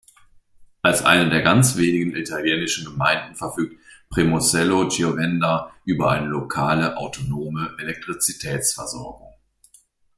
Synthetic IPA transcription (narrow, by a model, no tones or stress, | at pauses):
ʔalsʔa̰ɪnədeːɐɡant͡sv̥eːnɪɡŋ̩ʔitʰaljɛːnɪʃn̩ɡəmaɪndn̩fɛɐfyːk̚tpʁ̥imosɛlod͡ʒiovɛndaʔyːbɐʔaɪnəlokʰaːləʔaʊtʰonoːməʔelɛk̚tʁ̥it͡sitʰɛːt͡sfɛɐzɔɐɡʊ̰ŋ